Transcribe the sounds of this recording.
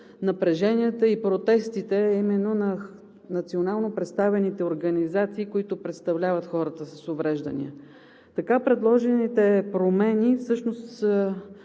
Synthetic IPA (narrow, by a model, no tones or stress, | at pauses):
nɐpɾɛʒɛniət̪əipɾot̪ɛst̪it̪ɛimɛnːonɐ | nɐt̪sionalˠnopɾɛt̪st̪avɛnit̪ɛoɾɡɐnizat̪siːkoit̪ʊpɾɛt̪st̪ɐvlʲavət̪xɔɾət̪əsɐsovɾɛʒd̪ə̰nḭə | t̪ɐkapɾɛd̪lˠɔʒɛnit̪ɛpɾomɛnifsɤʃnost̪ə